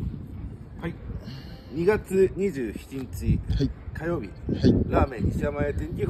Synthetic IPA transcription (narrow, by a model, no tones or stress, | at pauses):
ɲ̟iɡat͡sɨɲ̟iʑɨːçi̥t͡ɕiɲ̟it͡ɕikajo̞ːbʲḭɾaːmẽ̞ɲːisamaet̪ẽɲkʲi